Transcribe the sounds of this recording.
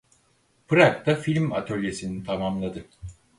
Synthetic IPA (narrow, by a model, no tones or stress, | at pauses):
pʰɯɾak̚t̪ʰafilʲma̰t̪ʰølʲje̞sinit̪ʰamamlˠad̪ɯ